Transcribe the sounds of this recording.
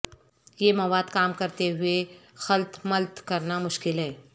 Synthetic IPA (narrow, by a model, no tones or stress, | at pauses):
jemɐʋaːd̪kaːmkɐɾt̪eɦʊexɐlt̪mɐlt̪kɐɾnamʊʃkɪlɦɛː